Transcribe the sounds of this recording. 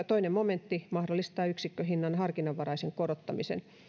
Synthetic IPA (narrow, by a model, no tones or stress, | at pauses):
t̪oinemmoment̪ːimɑhdolːˑist̪ɑːyksikːøɦinːɑnhɑrkinɑʋʋɑɾɑiseŋkorot̪ːɑmisḛn